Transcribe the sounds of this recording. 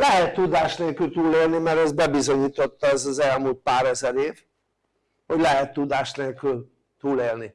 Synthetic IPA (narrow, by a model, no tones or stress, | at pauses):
lɛɦɛt̪ːud̪aːʃneːlkylt̪uːleːlnimɛɾɛzbɛbizo̞ɲiːt̪o̞t̪ːɒɛzɒzɛlmuːlt̪̚paːɾɛzɛɾeːv | ho̞ɟlɛɦɛt̪ːud̪aːʃt̪neːlkyl | t̪uːleːlni